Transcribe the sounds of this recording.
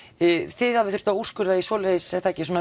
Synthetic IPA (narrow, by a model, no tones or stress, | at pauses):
θɪðhavɪθʏ̥ɾ̥t̪auskʏɾðaisoːleðɪsɛθaɛcːɪs̬uɔna